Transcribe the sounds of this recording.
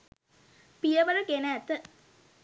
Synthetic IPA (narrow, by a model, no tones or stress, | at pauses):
pijəʋəɾəkenæːt̪ːə